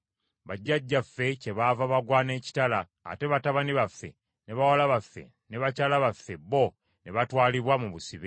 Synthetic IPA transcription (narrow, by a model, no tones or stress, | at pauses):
βaɟːaɟːafːe̞ce̞βavaβaɡwaːne̞ːci̥tala̰ː | te̞βataβaniβafːe̞̰ | ne̞βawalaβafːe̞̰ | ne̞βacaːlaβafːe̞bo̞ | ne̞βatwaːliβwamuβusiβe